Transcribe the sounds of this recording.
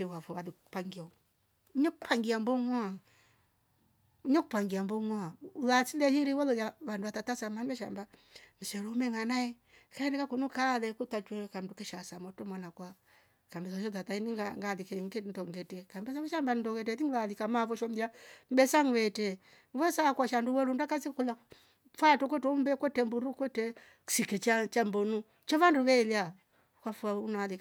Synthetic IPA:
ɛwafɔwalikupaŋɡia | uɲɔkupʰaŋɡiambɔŋɔa | uɲɔkupaŋɡiambɔŋɔaulasilɛhiɾiwɔlɔjaβanduwatatasamanɛʃa̰mba | niʃɛɾumɛŋanaɛ | kaɛnɛkakunukalɛkutat͡ʃwɛkandukɛʃasamɔtɔmwanakwa | kambɛsɔʃɔtatainiŋɡaŋɡalikɛŋɡɛndɔŋɡɛtɛkambɛs̬awɛʃambanindɔɡɛtɛtiŋɡalikamafɔʃɔmdiam̩bɛsaŋwɛtɛ | mwɛsakwaʃanduwɛɾundakasikula | fatɔkwɛtumbɛkwɛtɛmbuɾukwɛtɛ | sikɛt͡ʃat͡ʃambɔnu | t͡ʃɔβanduβɛilia | kwafuaunalika

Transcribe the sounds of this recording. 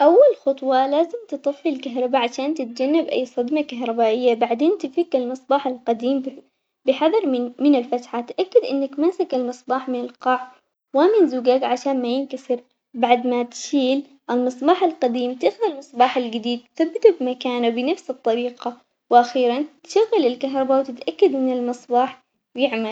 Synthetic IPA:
ʔawːalxʊt̪ˤwɑlaːzɪmt̪ɨt̪ˤɨfːilkaɦɾˤɑbaʕaʃaːnt̪ɪt̪̚d͡ʒanːabʔa̰jːsˤɑd̪makaɦɾˤɑbaːʔɪjːabaʕd̪eːnt̪ɪfikalmɨsˤbɑːħalqɑd̪iːm | bɪħɑðˤɑɾˤmɪnɪlfat̪ħat̪ʔakːɪd̪ʔɪnːakmasakalmɨsˤbɑːħmɪnɪlqɑʕ | wamɪnzuːɡakʕaʃaːnmajɪnkasɪɾ | baʕd̪mat̪ʃiːl | ʔalmɨsˤbɑːħalqɑd̪iːmt̪aʔxʊðalmɨsˤbɑːħalɡɪd̪iːd̪̚t̪θabːɪt̪ubmakaːnabɪnafsɨt̪ˤːɑɾiːqɑ | wʔaxiːɾant̪ʃaɣːɪlɪlkaɦɾˤɑbawt̪ɪt̪ʔakːad̪ʔɪnːɪlmɨsˤbɑːħ | jɪʕmal

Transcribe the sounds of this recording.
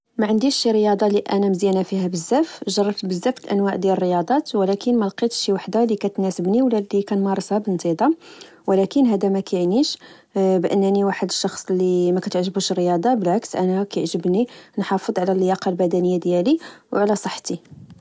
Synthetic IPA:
mæʕənd̪iʃːiɾəjɑd̪ˤɑliʔænæməzjænæfihæbəzːæfʒɑrˤːɑft̪bəzːæfəlʔænwæʕd̪jælərːəjɑd̪ˤɑt̪wlækənmælqit̪ʃiwaħd̪alikæt̪næsəbniwəlːælikænmɑɾˤəshɑbənt̪id̪ˤɑ | wlækənɦæd̪æmækæjəʕniʃ | bʔə̰nːniwaħəd̪əʃːɑxsˤlimækæt̪əʕʒəbuʃərːəjɑd̪ˤɑbəlʕaksʔænækæjʕʒəbninħɑfəd̪ˤʕlælːəjɑqɑlbæd̪ænəjːad̪jæliwʕlæsˤəħːt̪i

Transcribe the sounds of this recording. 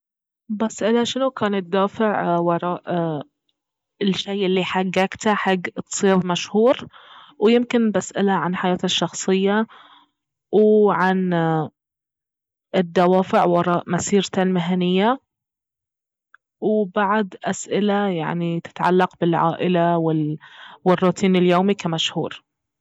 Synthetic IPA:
bʔasʔɪlaʃɪnʊkaːnɪt̪̚d̪aːfɪʕwɑɾˤɑːʔ | ɪlʃːejʔɪlːiħaɡːaːkt̪aħaɡːt̪sˤiːðmaʃhuːɾ | wjɪmkɪnbʔasʔɪlaʕanħajaːt̪aʃːɑxsˤɨjːa | wʕan | ɪd̪ːawaːfɪʕwɑɾˤɑːʔmasiːɾt̪almɪɦanɪjːa | wbaʕd̪ʔasʔɪlaja̰ʕnit̪ɪ̥t̪ʕa̰lːɑqbɪlʕa̰ːʔɪlawɪwɪrˤːuːt̪ʰiːnɪljoːmikamaʃhṵːɾ

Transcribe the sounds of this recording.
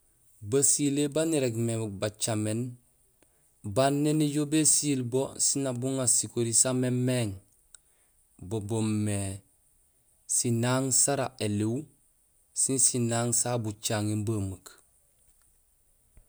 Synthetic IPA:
basilebaniɾeɡmebat͡ʃamen | banːeniɟobesiːlbosinabuŋasikoɾisamemeŋ | bobomːe | sinaːŋsaɾaeliw | sinsinaːŋsabut͡ʃaŋenbamək

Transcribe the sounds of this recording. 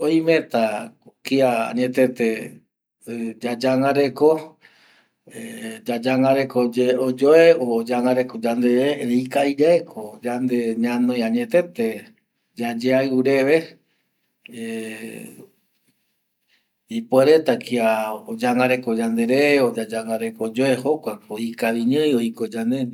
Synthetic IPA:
ojmẽt̪akiaa̰ɲẽt̪et̪e | d͡ʒad͡ʒaŋãɾe̞ko | ed͡ʒad͡ʒaŋãɾekod͡ʒeod͡ʒoeod͡ʒaŋaɾekod͡ʒand̪eɾeɾeikaid͡ʒaekʰod͡ʒand̪eɲãnõjaɲẽt̪e̞t̪e̞ | d͡ʒad͡ʒeaɨɾeʋe | e | ipweɾet̪akiaod͡ʒaŋãɾekod͡ʒand̪eɾeod͡ʒad͡ʒaŋaɾekod͡ʒoehokʷaoikaβiɲɨ̃joikod͡ʒand̪e

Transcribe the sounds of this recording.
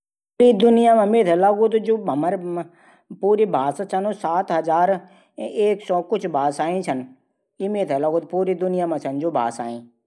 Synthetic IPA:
ɾid̪ʊnɪjaːmãmeːt̪ʰɛlaɡuːt̪d͡ʒoːɐməɾ | puːɾibʱaːst͡ʃʰənosaːt̪ɦɐzaːɾ | eːksɔːkʊt͡ʃʰbʱaːsaːĩt͡ʃʰən | imeːt̪ʰɛlaːɡuːt̪̚puːɾid̪ʊnɪjaːmãt͡ʃʰɐnd͡ʒoːbʱa̰ːsa̰ːĩː

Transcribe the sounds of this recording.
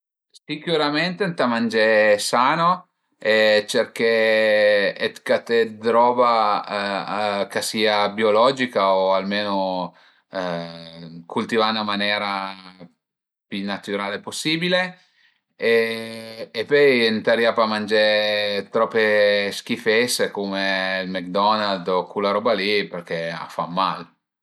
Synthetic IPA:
sikjuɾament̪ent̪amand͡ʒesaːno | et͡ʃerke | et̪kat̪ed̪ɾɔːba | kasiːabiolɔːd͡ʒikaoalmeːno | kʰult̪ivanamanjɛːɾa | pjunat̪yɾaːleposːiːbile | eː | pøjent̪aɾjapamand͡ʒet̪ɾɔpːesk̟ifɛsekumelmek̚d̪ɔnald̪okʰulaɾɔbaliperk̟ea̰famːal

